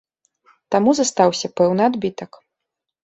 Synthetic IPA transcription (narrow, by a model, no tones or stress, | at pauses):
t̪amuzɐst̪awsʲɐpɛwnɨad̪bʲit̪ɐk